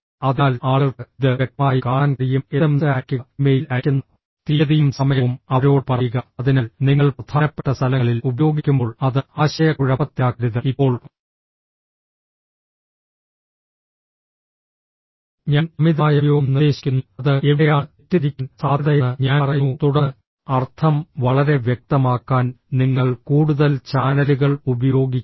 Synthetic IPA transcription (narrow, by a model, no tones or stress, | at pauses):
ɐðaːlaːɭɐɽɨiðɨeʈːmaːjikaːɳaːnkrijumeðɐmsɐjaːkʲːuɐmejilɐkʲːunːɐ | t̪iɐðijumsɐmɐjɐumɐɐɾo̞ːɽpɐrɐjuɣɐɐðinɐlniŋːɐɭprɐd̪ʱʰaːnɐpːe̥ʈːɐst̪ʰɐlɐŋɐɭilubɐjo̞ːɡikʲːumbo̞ːɭɐðɨaːɕɐjɐkuɻɐpɐt̪ːjaːkɾiðɨipːo̞ːɭ | ɲaːnmiðaːjɐjoːmnieːɕi̥kʲːunːɐðɨe̞ʋɽɐjaːtːiɾikʲːunsaːðɐjɐɨɲaːrɐjut̪uɽɐ | ɐrt̪ʰɐmʋɐɭɐɾe̞ʋjek̚t̪ɐmaːkːaːn | niŋːɐɭkuːɽuðɐlt͡ɕaːnɐluɣɐɭubɐjo̞ːɡikʲː